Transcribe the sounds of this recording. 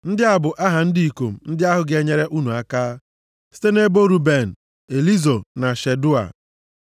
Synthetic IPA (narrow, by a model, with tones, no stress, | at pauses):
n̩˦dɪ˦a˦bʊ˨ʔa˦ɦa˨n̩˦di˦i˨ko˨m̩˨n̩˦dɪ˦a˦ɦʊ˨ɡe˨ɲe˦ɾe˦ʔu˦nu˨a˦kaː˦ | si̥˦te˦ne˦bo˦ɾu˨be˨n̩˨ | e˨li˦zo˨na˨ʃe˨dʊ˦a̰˨